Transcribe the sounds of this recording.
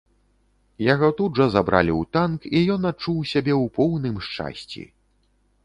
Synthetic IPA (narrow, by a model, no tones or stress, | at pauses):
jaɣɔt̪udʐɐzabɾa̰lʲiwt̪ankijɔnat͡ʂːuwsʲabʲɛwpɔwnɨmʂt͡ʂa̰sʲt͡sʲḭ